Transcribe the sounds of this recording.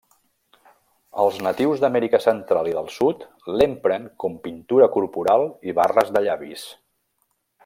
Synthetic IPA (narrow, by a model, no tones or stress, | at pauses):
ə̰lˠznət̪iwzðəmɛɾikəsənt̪ɾalˠiðəlˠsut̪ | lempɾəŋkɔmpint̪uɾəkuɾpuɾalˠiβarəzðəʎaβis